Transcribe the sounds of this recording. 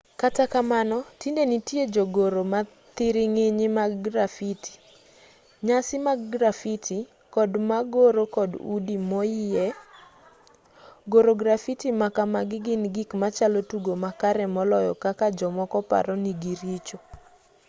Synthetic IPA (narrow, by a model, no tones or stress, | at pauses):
katakamanɔtindenitjed͡ʒoɡoɾoma | t̪ɪɾɪŋɪɲɪmaɡɡɾafiti̥ | ɲasɪmaɡɡɾafitʰi | kɔdmaɡoɾokɔdṵdimɔjɪɛ | ɡoɾoɡɾafitimakamaɡɪɡɪnɡikmat͡ʃalɔtuɡomakaɾɛmɔlɔjɔ̰kakad͡ʒɔmɔkɔpa̰ɾɔniɡiɾit͡ʃo